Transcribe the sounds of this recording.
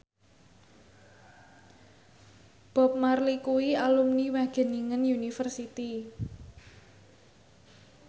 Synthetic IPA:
b̥ɔ̤p̚marlikuwialumniwaɡ̥e̤niŋənjunifərsit̪i

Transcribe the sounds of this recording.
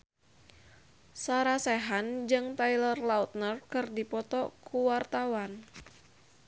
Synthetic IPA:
saɾasɛɦand͡ʒɨŋt̪ajlərlaut̪̚nərkɨrdipɔt̪ɔkʰuwart̪awan

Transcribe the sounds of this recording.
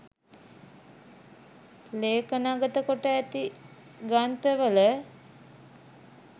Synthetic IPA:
leːkənaɡət̪əkoʈəæt̪i | ɡant̪əʋələ

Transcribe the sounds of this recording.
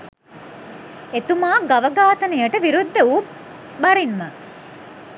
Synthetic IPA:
et̪umaːɡɐʋəɡaːt̪ənejəʈəʋiɾud̪ːəuːp | bɐɾinmə

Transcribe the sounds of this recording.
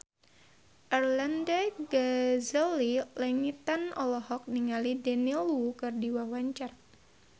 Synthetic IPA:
ʔɛrlandaɡazəlilɛŋit̪anɔlɔɦɔk̚niŋalidɛnilkɨrdiwawaɲt͡ʃar

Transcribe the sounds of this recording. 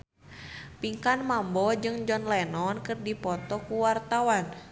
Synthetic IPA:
piŋkanmambɔd͡ʒɨŋd͡ʒɔnlɛnɔnkɨrdipɔt̪ɔkuwart̪awan

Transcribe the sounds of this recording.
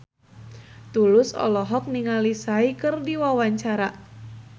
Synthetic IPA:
t̪ulʊsɔ̰lɔɦɔk̚niŋalisaikɨrdiwawaɲt͡ʃaɾa

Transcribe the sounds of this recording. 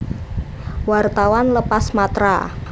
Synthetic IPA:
wart̪awanləpasmat̪ɾa̰

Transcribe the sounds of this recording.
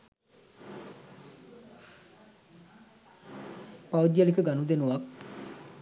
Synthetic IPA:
paʋud̪jalikəɡanud̪enuʋak

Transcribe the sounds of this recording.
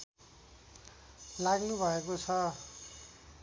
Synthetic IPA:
laɡnubʱʌekot͡sʰʌ

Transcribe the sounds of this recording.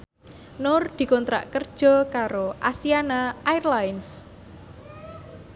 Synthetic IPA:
nʊrd̪̥i̤kɔnt̪ɾa̰ʔkərd̥ʒ̥ɔ̤kaɾoʔasianaairlaɪns

